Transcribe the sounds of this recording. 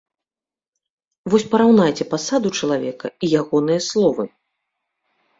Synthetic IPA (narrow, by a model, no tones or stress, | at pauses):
vɔsʲpɐɾawn̪ajt͡sʲɛpasad̪ut͡ʂɐlˠavʲɛkɐ̰ijaɣɔn̪ɨjɐslˠɔvɨ